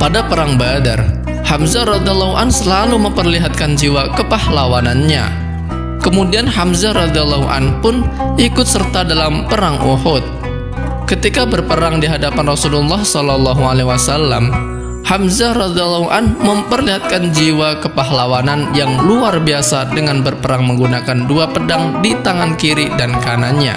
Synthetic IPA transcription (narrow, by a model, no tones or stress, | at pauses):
padapəɾaŋbada̰r | hamzaɾɔd̪ialːɔɦuʔansəlaluməmpərliɦat̪̚kand͡ʒiwakəpahlawananɲa̰ | kəmudianɦamzaɾɔd̪ialːɔɦuʔa̰npʊnikʊt̪̚sərt̪adalampəɾaŋʔoɦɔt̪̚ | kət̪ikabərpəɾaŋdiɦadapanrɔsululːɑhsɔlɔlːɑɦualewasalːam | hamzaɾɔd̪ilːɔɦuʔanməmpərliɦat̪̚kand͡ʒiwakəpaɦlawananjaŋluarbiasadəŋanbərpəɾaŋməŋɡunakanduapədaŋdit̪aŋankiɾidankanaɲa̰